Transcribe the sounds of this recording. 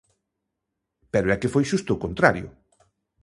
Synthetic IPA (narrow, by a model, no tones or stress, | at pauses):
pɛɾoɛkefojʃust̪ʊːkont̪ɾaɾjʊ̰